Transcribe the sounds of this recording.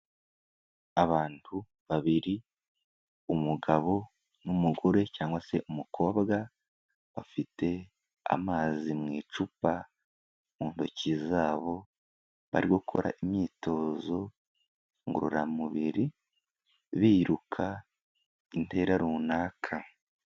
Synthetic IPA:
aβaːntʰu | βaβiɾi | umuɡaβo̞ | numuɡoɾe̞caːŋɡwase̞ʔumukʰo̞ːβɡa | βafite̞ | a̰maːzimŋiːt͡ʃupa | muːnto̞̰cizaːβo̞ | βa̰ɾiɡokʰo̞̰ɾa̰ʔimɲiːto̞ːzo̞ | ŋɡuɾṵɾamuβiɾi | βiːɾukʰa | inte̞ːɾaɾuːnaːkʰa

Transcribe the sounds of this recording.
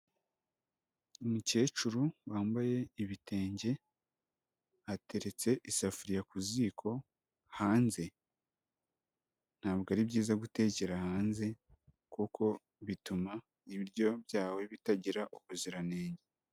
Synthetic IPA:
umuce̞ːt͡ʃuɾuwaːmbaje̞iβite̞ːɲɟe̞ | ate̞ɾe̞t͡se̞ʔisafuɾijakuziːkʰo̞ | haːnze̞ | n̥haːβɡaɾibɟiːzaɡute̞ceɾahaːnze̞ | kukʰo̞ | βituma | iβiɾɟo̞βjaːwe̞βitaɟiɾaʔukuziɾane̞ːɲɟe

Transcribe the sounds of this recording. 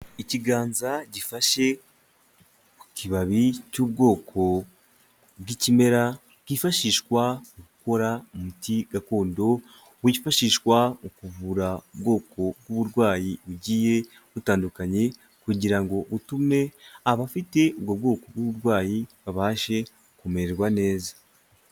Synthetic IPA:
iciɡaːnzaɟifaʃe̞ | ku̥ciβaβicuːb̚ɡo̞ːkʰo̞ | bwicime̞ɾa | kifaʃiːʃkwaokuko̞ɾamumutiɡakoːndo̞ | wiifaʃiːʃkwaokuvuɾaubɡo̞ːkʰo̞b̚ɡwuβuɾɡwaːjiβuɟiːje̞ | βutaːndukaɲe̞ | kuɟiɾaŋɡo̞βutume̞aβafite̞obɡob̚ɡo̞ːko̞bɡuβuɾɡwaːjiβaβaːʃe̞ | kume̞ɾeɾɡwane̞ːzḁ

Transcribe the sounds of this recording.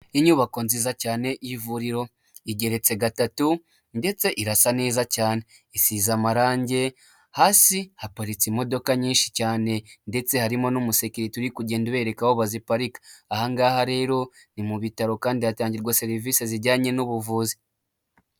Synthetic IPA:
iɲuːβako̞nzizacaːne̞ʔjivuɾiɾo̞ | iɟe̞ɾe̞t͡se̞ɡatatu | nde̞t͡se̞ʔiɾasane̞ːzacaːne̞ | isiːzamaɾaːɲɟe̞ | haːsihapaɾit͡simo̞do̞kaɲiːnʃi̥caːne̞nde̞t͡se̞haɾimo̞numuse̞kiɾituɾikuɟe̞ːndiβe̞ɾe̞kahoβazipaɾikḁahaŋɡaːhaɾe̞ːɾo̞ | nimuβitaɾo̞kaːndiataːɲɟiɾɡwase̞ɾiviːseziɾɟaːɲe̞nuβuvuːzi

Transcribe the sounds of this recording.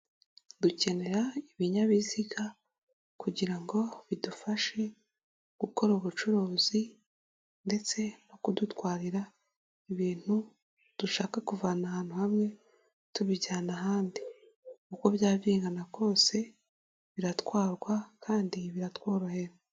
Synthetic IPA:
duce̞ne̞ɾaiβiɲaβiziɡa | kuɟiɾaŋɡo̞βidufaʃe̞ | ɡ̥uko̞ɾuβut͡ʃuɾoːzi | nde̞t͡se̞no̞kudutwaːɾiɾa | iβiːn̥hu | d̥uʃaːkakuvaːnahaːn̥huhamŋe̞ | tuβiɟaːnaɦaːndi | kuko̞βjaːviːŋɡanaɡo̞ːse̞ | βiɾatwaːɾɡwakʰaːndiβiɾatwaːɾwahe̞ɾa

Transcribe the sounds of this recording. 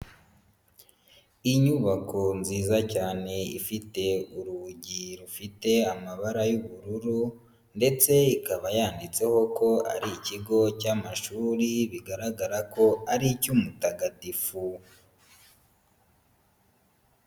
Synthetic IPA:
iɲuβako̞nziːzacaːne̞ḭfite̞uɾuɟiɾufite̞amaβaɾajuβuɾuɾu | nde̞t͡se̞ikaβajaːndit͡se̞ho̞ko̞a̰ɾiciɡo̞caːmaʃuːɾiβiɡaɾaɡaɾako̞aɾicumutaɡatifu

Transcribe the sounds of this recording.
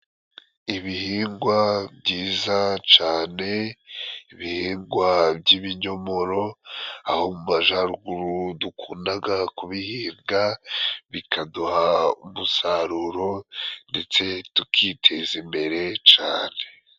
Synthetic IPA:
iβihiːŋɡwabɟiːzat͡ʃaːne̞ | iβihiːŋɡwabɟiβiɲo̞mo̞ɾo̞aho̞mumaʒaɾuɡuɾudukʰuːndaɡakuβihiːŋɡaβikʰaduhaumusaɾuɾo̞nde̞t͡se̞tukʰitʰe̞zimbe̞ɾe̞t͡ʃaːne̞

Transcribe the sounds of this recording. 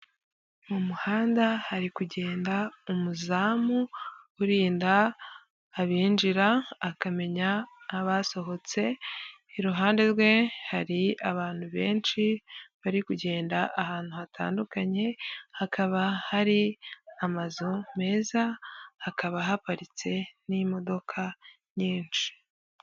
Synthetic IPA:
mumuhaːndahaɾikuɟe̞ːndaumuzaːmuuɾiːndaː | βiːnd͡ʒiɾaːkame̞ɲaaβaso̞ɦo̞t͡se̞ | iɾuɦaːnde̞ɾwe̞haɾiaβaːn̥huβe̞ːnʃiβaɾikuɟe̞ːndaʔahaːn̥huhatʰa̰ːndukaɲe̞hakʰaβahaɾiamazome̞ːzaːkaβaɦapaɾit͡se̞nimo̞do̞kʰa | ɲiːnʃi̥

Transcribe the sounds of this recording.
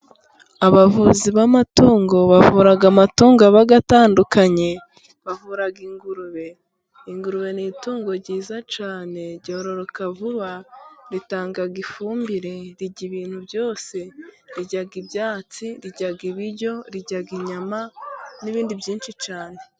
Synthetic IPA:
aβavuːziβamatuːŋɡo̞βavuːɾaɡamatuːŋɡaβaɡataːndukaɲe̞ | βavuɾaɡiŋɡuɾuβe̞ | iŋɡuɾuβe̞niːtuːŋɡo̞ɾɟiːzat͡ʃaːne̞ɾɟoːɾo̞ɾokavuβaɾitaːŋɡaɡifuːmbiɾe̞ɾiɟiβiːn̥huβjo̞ːse̞ɾiɟaɡibjaːt͡siɾiɟaɡiβiɾɟo̞ɾiɟaɡiɲamaniβiːndibɟiːnʃit͡ʃaːne̞

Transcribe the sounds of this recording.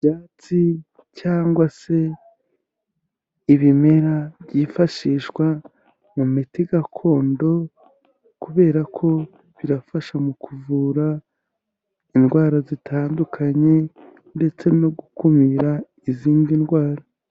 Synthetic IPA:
bɟaːt͡si | caːŋɡwase̞ | iβime̞ɾaβɟifaʃiːʃɡwa | mumitiɡakʰo̞ːndo̞ | kuβe̞ːɾakʰo̞ | βiɾafaʃamukʰuvuɾa | inɡwaːɾazitʰaːndukʰaɲe̞ | nde̞t͡se̞no̞ɡukumiɾa | iziːnɡinɡwaːɾa

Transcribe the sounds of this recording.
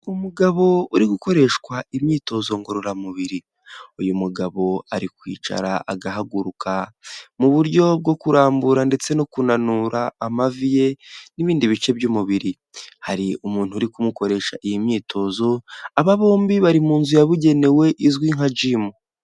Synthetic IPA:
umuɡaβo̞uɾiɡuko̞ɾe̞ʃkwaimɲiːto̞ːzo̞ŋɡo̞ɾo̞ɾamuβiɾi | ujumuɡaβo̞aɾikwḭːt͡ʃa̰ɾa̰a̰ɡaɦaɡuɾukʰamuβuɾɟo̞b̚ɡo̞kuɾaːmbuɾande̞t͡se̞no̞kunanuɾaːmavije̞niβiːndiβit͡ʃe̞bjumuβiɾi | haɾiumuːn̥huɾikumuko̞ɾe̞ʃaʔijimɲiːtʰo̞ːzo̞aβaβo̞ːmbiβaɾimuːnzujaβuɟe̞ne̞we̞ʔizwiːŋhad͡ʒiːmo

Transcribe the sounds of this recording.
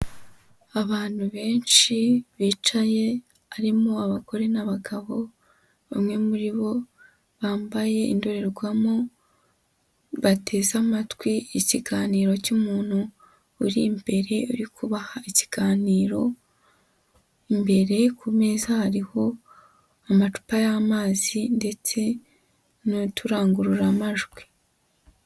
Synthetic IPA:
aβaːn̥huβe̞ːnʃiβiːt͡ʃaje̞ | aɾimoaβako̞ɾe̞naβaɡaβo̞ | βamŋe̞muɾiβo̞ | βaːmbaje̞ḭndoɾe̞ɾɡwamo | βatʰe̞ːzamatwiiciɡaːniːɾo̞cumuːn̥huː | ɾimbe̞ɾe̞uɾikʰuβahaici̥ɡ̥aːniːɾo̞ | imbe̞ɾe̞kume̞ːzahaɾiho̞ | amatu̥pajamaːzinde̞t͡se̞ | notuɾaːŋɡuɾuɾamaʒɡwi̥

